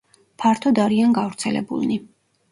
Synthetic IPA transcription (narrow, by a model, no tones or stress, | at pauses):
pʰaɾt̪ʰɔd̪aɾianɡavɾt̪sʰɛlɛ̰bṵlˠni